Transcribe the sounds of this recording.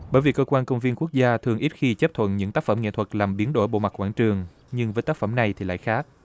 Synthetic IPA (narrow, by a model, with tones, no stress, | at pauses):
ɓəː˧˩jvi˨˩kəː˧kwaː˧nkə˧wŋ͡mvi˧ənku˦˥ək̚zaː˧t̪ʰɨ˨˩əŋʔi˦˥t̚xi˧t͡ɕə˦˥p̚t̪ʰwə̰˧˨nɲɨ̰˧˥ŋt̪aː˦˥k̚fə˧˩mŋḛ˧˨t̪ʰwə˨˩t̚laː˨˩mɓi˨˦ənɗo˧˩jɓo̰˧˨ma˨˩k̚kwaː˧˩nt͡ɕɨ˨˩əŋ | ɲɨ˧ŋvəː˨˦jt̪aː˦˥fə˧˩mna˨˩jt̪ʰi˨˩la̰ː˧˨jxaː˦˥k̚